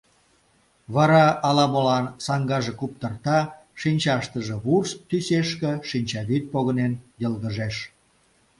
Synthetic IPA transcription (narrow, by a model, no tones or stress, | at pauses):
βɑɾɑːlɑmolɑnsɑŋɡɑʒekup̚t̪ərt̪ɑ | ʃinʲt͡ɕɑʃt̪əʒĕβurst̪yseʃkĕʃinʲt͡ɕɑβit̪̚poɣənenjəlɣəʒeʃ